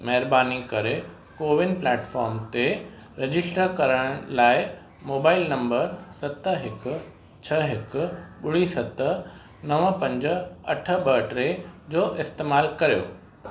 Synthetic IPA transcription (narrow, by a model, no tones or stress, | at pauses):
mɐɦɪɾbaːnikɐɾe | koːʋɪnplɛːʈfɔːɾmt̪e | ɾed͡ʑɪsʈɾəkɐɾəɽ̃laːɪ | moːbaːɪlnɐ̃mbəɾsɐt̪ɦɪkʊ̆ | t͡ɕʰɐɦɪkʊ̆ɓʊɽisɐt̪ə | nɐʋəpɐ̃ɲd͡ʑə̆ɐʈʰə̆ɓɐʈɾed͡ʑoːʔɪst̪eːmaːlkɐɾijo̰ː